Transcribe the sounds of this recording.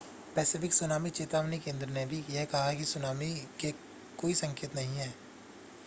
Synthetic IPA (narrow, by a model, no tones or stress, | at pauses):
pɛːsɪfɪksʊnaːmit͡ʃeːt̪aːʋnikẽːnd̪ɾənebʱijeɦkɐɦakisʊnaːmike | koːisɐ̃ŋkeːt̪nɐɦĩɦɛː